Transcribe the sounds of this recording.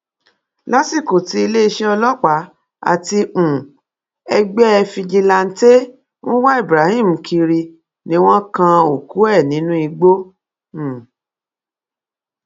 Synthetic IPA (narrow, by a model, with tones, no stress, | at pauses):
la˨˦si˦˨ko˨ti˧i˧le˦i˧ʃɛ˦ɔ˧lɔ˦k͡pa˨˦ | a̰˨ti˧ũ˨ | ɛ˧ɡ͡bɛ˦ɛ˧fi˧d͡ʒi˧la˧n̩˦te˦ | w̃ɔ̃˦wa˦i˦˨bɾa˨˦hi˦˨m̩˨kʰi˧ɾi˧ | nĩ˧w̃ɔ̃˦kã˧o˨ku˨˦ɛ˦˨nĩ˨˦nũ˦i˧ɡ͡bo˦˨